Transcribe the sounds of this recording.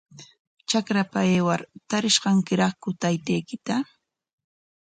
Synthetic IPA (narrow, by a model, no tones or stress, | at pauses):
t͡ʃakɾapaeːwaɾt̪aɾɪʃɢɑŋkɪɾɑχkʊt̪ajt̪ejkɪt̪a